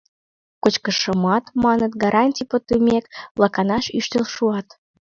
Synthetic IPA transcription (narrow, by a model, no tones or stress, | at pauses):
kot͡ɕkəʃəmɑt̪mɑnət̪ɡɑɾʔɑnʲtʲijpot̪ːumʲekblɑkɑnɑʃyʃt̪əlʃuɑt̪